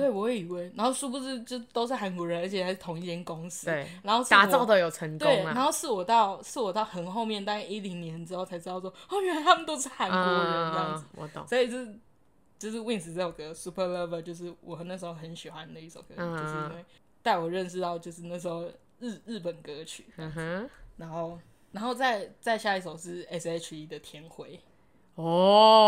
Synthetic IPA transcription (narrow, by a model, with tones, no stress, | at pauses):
t̪we˥˩ɪwɔ˧˦xwe˥ɪi˨˩we˥ɪna˨˧˥nxo˥˧ʊʂu˥pu˧ʂɻ̩˥˧t͡ɕt̪o˥ʊʂ̬ɻ̩˥˩xa˧˥nkwɔ˧˥ɻə˧˦nə˧˥t͡ɕʰɛ˨˩sʰa˧ɪʂɻ̩˥˩t̪ʰʊ˧˥ŋi˧t̪ʰjɛ˥˩nkʊ˦ŋs̩˧˥e˥˩na˨˧nxo˥˧ʊʂt̪̩˥a˨˥ɑ˥˩ʊd̪ə˨jo˨˩ʊʈ͡ʂʰə˧˥ŋt̪we˥˩ɪn˨a˧˥nxo˥˧ʊʂɹ̩˥˩wɔ˨˩t̪ɑ˥˨ʊʂɹ̩˥˩wɔ˨˩t̪ɑ˥˩ʊxə˨˦nxo˥˧ʊmjɛ˥˨nt̪a˥˧a˥˧i˦˥li˧˥ŋnjɛ˧˦nʈ͡ʂɻ̩˥xo˥˩ʊt͡sʰa˧˥ɻ̩˥t̪ɑ˥˧ʊwɔ˥˧xo˥˧mjə˨˦t̪ʰa˥mə˨t̪o˥ʊʂɻ̩˥˩xa˨˦kwɔ˧˦˧ɻə˧˦n˧˥ɑ˥ŋ˨˩˦ɔ̰˧˦t̪swɔ˧˥i˨˩t͡ɕo˥˧ʂ̩˨˩ | t͡ɕjo˥˧ʊʂ̬ɻ̩˥˧wi˥˧ŋns̬̩˧˥t͡sa˥˩ɪwɔ˨˩ɡə˦su˥pʰə˥˧lə˥˧və˨˧t͡ɕjo˥˧ʊʂ̬ɻ̩˥˩wɔ˨˩xna˥˩ʂɻ̩˧˥xo˥˩xə˧˦nɕi˨˩xwa˦nd̪ə˨i˥˩ʂo˨˩ʊkɤ˧˦˨o˥˧˥ŋwe˥˩ɪ | t̪a˥˩ɪwɔ˨˩ɻə˥˧nʂɻ̩˥˧t̪ɑ˥˧ʊt͡ɕjo˥˧ʊʂɻ̩˥˧na˥˩ʂ̬̩˧˥˦xo˥˧ʊ˥˩ | ɻ̩˥˩pə˨˩nkɤ˧˥t͡ɕʰy̰˨˩˥na˧˥nxo˥˩ʊ | na˧˥nxo˥˧ʊt͡sa˥˧ɪt͡sa˥˧ɪɕja˥˧i˥˩ʂo˨˩ʊʂɻ̩˥˩ɛ˥sɛ˧t͡ɕʰi˧˥d̪ə˨t̪ʰjɛ˧˥nxwe˧˥ɪ | ɔ˥˩